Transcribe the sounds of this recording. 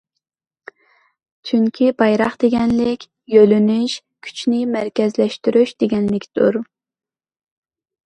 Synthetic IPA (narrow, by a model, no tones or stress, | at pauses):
t͡ʃʰyŋkʲʰibɑjɾɑχd̪̥eɡʲɛnlɪkʲ | jølynyʃ | kʲʰy̥t͡ʃʰnɪmæɾkʲɛzlɛʃt̪yɾyʃd̪eɡʲɛnlɪkʲʰd̪̥uɾ